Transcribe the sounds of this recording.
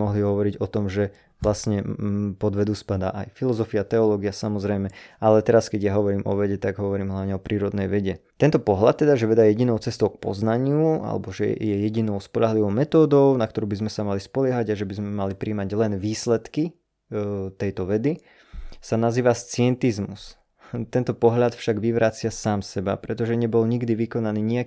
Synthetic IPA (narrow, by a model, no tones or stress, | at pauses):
mɔɦliɦɔʋɔɾiɟɔt̪ɔmʒɛ | ʋlasɲɛpɔd̪ʋɛd̪uspad̪a̰ːʔajfilɔzɔfiat̪ɛɔlɔːɡiasamɔzɾɛjmɛalɛt̪ɛɾaskɛɟjaɦɔʋɔɾiːmʔɔ̰ʋɛɟɛt̪aɡɦɔʋɔɾiːmɦlaʊɲɛɔpɾiːɾɔd̪nɛjʋɛɟɛt̪ɛnt̪ɔpɔɦlat̪ːɛd̪aʒɛʋɛd̪ajɛjɛɟinɔʊt͡sɛst̪ɔʊk̚pɔ̰znaɲɪua̰lɛ̰bɔʒɛ̰jɛjɛɟinɔʊspɔʎaɦliʋɔʊmɛt̪ɔːd̪ɔʊnakt̪ɔɾuːbizmɛsamalispɔlɪɛɦaɟaʒɛbizmɛmalipɾiːmaɟlɛnʋiːslɛt̪ki | t̪ɛjt̪ɔʋɛd̪i | sanaziːʋast͡sɪɛnt̪izmus | t̪ɛnt̪ɔpɔɦʎat̪fʃaɡʋiʋɾat͡sɪasaːmsɛba̰pɾɛt̪ɔʒɛɲɛbɔlɲiɡd̪iʋikɔnaniːɲia